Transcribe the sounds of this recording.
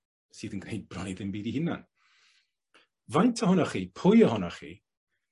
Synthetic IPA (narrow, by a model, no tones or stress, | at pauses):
siːðənɡnejd̚brɔniðɪmbiːdihɪna̰n | vajntʰəhɔnɔχiːpʰʊjəhɔnɔχḭ